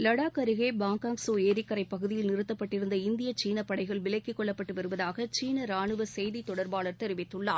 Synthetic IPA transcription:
lɐɽaːkɐɾɪɣeːbaːŋkaːŋksoːeːɾɪkːɐɾɐɪpːɐɣɯðɪjɪlnɪɾɯt̪ːɐpːɐʈːɪɾɯnd̪ɐɪnd̪ɪjɐt͡ʃiːnɐpːɐɽɐɪɣɐɭʋɪlɐɪkːɯkːɔɭːɐpːɐʈːɯʋɐɾɯʋɐðaːɣɐt͡ʃiːnɐɾaːɳɯʋɐsɛjðit̪ɔɽɐɾbaːɭɐɾt̪ɛɾɯʋɪt̪ːɯɭːa̰ː

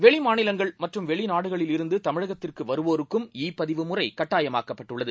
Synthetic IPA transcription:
ʋɛɭɪmaːnɪlɐŋɡɐɭmɐʈrɯmʋɛɭɪnaːɽɯɣɐɭɪlɪɾɯnd̪ɯt̪ɐmɪɻɐɣɐt̪ːɪrkɯʋɐɾɯʋoːɾɯkːɯmiːpːɐðɪʋɯmʊrɐɪkɐʈːaːjɐmaːkːɐpːɐʈːɯɭːɐðɯ

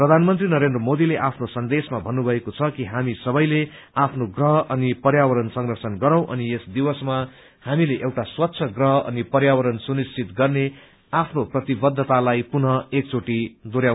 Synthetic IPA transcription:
prʌd̪ʱanmʌnt̪rinʌɾend̪rʌmod̪ileʔapʰnosʌnd̪esmabʱʌnːubʱʌekot͡sʰʌkiɦamisʌbʌjle | apʰnoɡrʌɦʌʌnipʌrjawʌɾʌnsʌŋrʌrsʌnɡʌɾãw̃ʔʌniesd̪iwʌsma | hamileʔewʈaswʌt̪ːsʰʌɡrʌɦʌʌ̰nipʌrjawʌɾʌnsunist͡sʰit̪ɡʌrne | apʰnoprʌt̪ibʌd̪ʱːʌt̪alajpunʌek̚t͡sʰoʈid̪oɾja

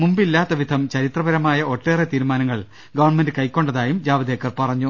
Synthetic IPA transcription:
mumbilːaːt̪ːɐʋid̪ʱɐmt͡ɕɐɾit̪rɐʋɐɾɐmaːjɐʔo̞ʈːeːret̪iːɾumaːnɐŋːɐɭ | ɡɐʋɐrnmendɨkɐjkʲːo̞ɳɖɐðaːjumd͡ʑaːʋɐd̪eːkːɐrpɐrɐɲːu

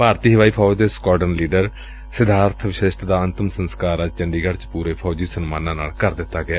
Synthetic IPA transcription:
paːɾt̪iːɦəʋaːiːpʰɔːd͡ʒd̪eːskɔːʈənliːɖəɾ | sɪd̪aːɾt̪ʰʋɪʃɪʃʈd̪aːənt̪əmsənskaːɾət͡ʃəɳɖiːɡəɽt͡ʃpuːɾeːpʰɔːd͡ʒiːsənmãːnãːnaːlkəɾd̪ɪt̪ːaːɡɪaː

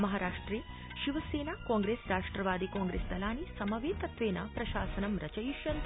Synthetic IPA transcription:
mɐɦaːɾaːʂʈɾeː | ʃiʋɐseːnaːkãːŋɡɾeːsɾaːʂʈɾɐʋaːd̪ikaːŋɡɾeːst̪ɐlaːnisɐmɐʋeːt̪ɐt̪ʋeːnɐpɾɐʃaːsɐnɐmɾɐt͡ʃɐjiʃjɐnt̪

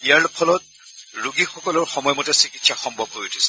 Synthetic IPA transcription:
ijaɹlpʰɔlɔt̚ | ɹuɡixɔkɔlʊɹxɔmɔjɔmɔtɛsikitsaxɔmbʱɔbɦojotʰisɛ̥

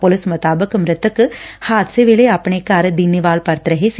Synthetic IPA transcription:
polɪsmɐt̪aːbɐkɐmɾɐt̪ːɐkːɨhaːd̪seʋeleɐpːɐɳekːaaːɾɐd̪inːiʋaːlpɐɾt̪ɾɐɦes

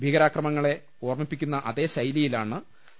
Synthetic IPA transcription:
bʱiɣɐɾaːkrɐmɐŋːɐɭe̞ | o̞ːrmipːikʲːunːɐʔɐðe̞ːɕɐjlijilaːɳɨ

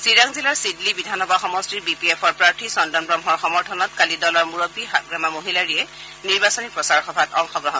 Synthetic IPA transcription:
siɹaŋzilaɹsidlibidʱanɔbaxɔmɔstiɹbipiepʰɔɹpɹaɹtʰisɔndɔnbɹamɔɹxɔmɔɹtʰɔnɔtkalidɔlɔɹmuɹopiɦaɡɹamamoɦilaɹiɛ | niɹbasɔnipɹɔsaɹxɔbʱatɔŋxɔɡɹɔɦɔ

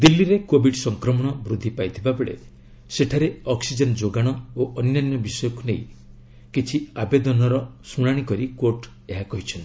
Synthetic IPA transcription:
d̪ilːiɾekobʱiɖsɔŋkɾɔmɔɽ̃ɔbɾud̪ʱːipajt̪ʰibabeɭḛ | seʈʰaɾeɔksid͡ʒɔnd͡ʒoɡaɽ̃ɔoʔɔnnanjɔbisɔjɔkuneĩ | kit͡ʃʰiabed̪ɔnɔɾɔsuɽ̃aɽ̃ikɔɾikoɾʈ | eɦakɔɦit͡ʃʰɔnt̪i

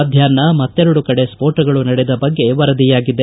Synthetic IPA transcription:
d̪ʱjaːɾnːɐmɐt̪ːɛɾɐɽukɐɽe̞spoːɾʈɐɡɐɭunɐɽɛd̪ɐbɐɡːe̞ʋɐɾɐd̪ijaːɡid̪ːe

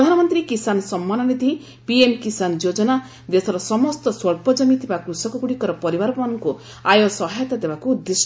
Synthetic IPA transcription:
pɾd̪ʱanɔmɔnt̪ɾikisanɔsɔmːanɔned̪ʱii | piemkisanɔd͡ʒod͡ʒɔna | d̪esʰɔɾɔsɔmɔst̪ɔswɔɭpɔd͡ʒɔmit̪ʰibakɾusɔkuɡuɽikɔɾɔpɔɾibaɾɔpɔmanɔŋku | ajosɔɦajɔt̪ad̪ebakuːd̪ːes

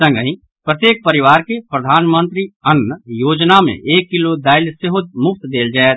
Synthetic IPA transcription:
sə̃ŋɡəɦĩ | pɾət̪jeːk̚pɐɾɪʋaːɾkepɾɐd̪ʱaːnmə̃nt̪ɾiənːjoːd͡ʒnamḛ̃ʔeːkːɪlod̪aːɪlseɦʊd̪̚mʊpʰt̪d̪eːld͡ʒaːet̪

